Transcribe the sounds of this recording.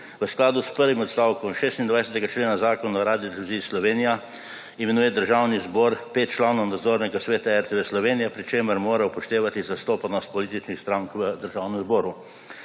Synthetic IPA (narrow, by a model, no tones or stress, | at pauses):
ʋəsklaːd̪uspəɾʋimɔt̪st̪aːwkɔmʃeːst̪ind̪ʋajsɛt̪ɛɡat͡ʃleːnazaːkɔnaɔɾaːd̪idɾuziːslɔʋeːnija | imɛnuːjɛd̪əɾʒawnizbɔːɾpet̪̚t͡ʃlaːnɔwnad̪zoːɾnɛɡasʋeːt̪aɛɾt̪eʋeslɔʋeːnijapɾit͡ʃeːməɾmoːɾapɔʃt̪eːʋat̪izast̪oːpanɔst̪̚pɔliːt̪it͡ʃnixst̪ɾaŋkʋəd̪əɾʒaːwnɛmzbɔːɾu